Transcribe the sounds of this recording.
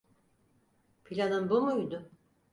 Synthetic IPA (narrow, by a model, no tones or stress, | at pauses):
pʰilʲanɯnbomujd̪ʊ